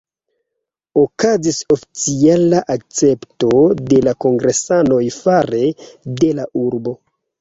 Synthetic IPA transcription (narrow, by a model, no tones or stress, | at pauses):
okaziso̞fi̥t͡sialaʔak̚t͡se̞pto̞de̞lako̞ŋɡɾesano̞jfaɾe̞de̞lauɾbo̞